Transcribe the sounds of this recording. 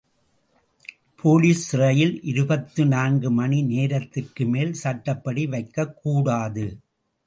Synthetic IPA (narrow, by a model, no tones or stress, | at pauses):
pʰoːliːsɪɾɐjɪlʔɪɾɯbɐt̪ːɯnaːnɡɯmɐnineːɾɐt̪ːɪrkɯmeːlsɐʈːɐpːɐɽiʋɐɪkːɐkːuːɽaːðɯ